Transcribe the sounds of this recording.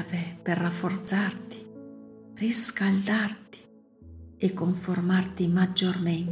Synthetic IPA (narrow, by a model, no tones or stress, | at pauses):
vɛpɛrːafːɔrt̪sart̪i̥ | riskald̪art̪i̥ | ɛkːɔɱfɔrmart̪imad͡ʒːormɛn